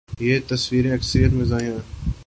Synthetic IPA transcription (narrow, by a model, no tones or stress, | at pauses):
jeːt̪əsʋiːɾẽːɐksəɾijət̪mɪzaːjãː